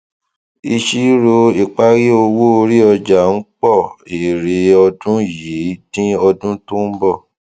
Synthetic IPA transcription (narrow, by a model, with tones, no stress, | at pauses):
i˧ʃi˦ɾo˧i˨k͡pa˦ɣi˦o˧wo˦o˧ɾi˦ɔ˧d͡ʒa˨n̩˦k͡pɔ˦˨i˨ɾe˨ɔ˧dũ˦ji˨˦nĩ˦ɔ˧dũ˦tũ˦m̩˦bɔ˦˨